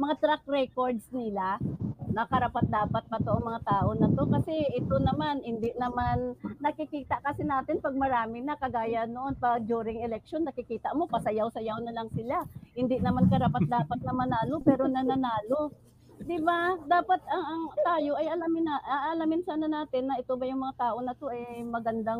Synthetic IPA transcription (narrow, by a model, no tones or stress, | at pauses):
mɐŋat̪ɾak̚ɾɛko̞ɹd̪snɪlanɐkɐɾapat̪̚d̪aːpat̪̚pɐt̪oʔɐŋmɐŋat̪aːʔo̞nɐt̪o̞kɐsɛʔɪt̪o̞nɐmanhɪnd̪ɪʔnɐmanːɐkɪkiːt̪ɐʔkɐsɪnaːt̪ɪnpɐɡ̚mɐɾaːmɪnɐkɐɡaːjɐnoʔo̞npɐd͡ʒuːɾɪŋɛlɛk̚ʃo̞nːɐkɪkiːt̪ɐʔmo̞pɐsɐjawsɐjawnɐlɐŋsɪlahɪnd̪ɪnɐmankɐɾapat̪̚d̪aːpat̪̚nɐmɐnaːlo̞pɛːɾo̞nɐnɐnaːlo̞ | d̪ɪbad̪aːpat̪ɐŋɐŋt̪aːjo̞ʔɐjɐlamɪnaʔʔɐlamɪnsaːnɐnaːt̪ɪnːɐʔɪt̪o̞bɐjʊŋmɐŋat̪aːʔo̞nɐt̪o̞ʔɐjmɐɡɐnd̪a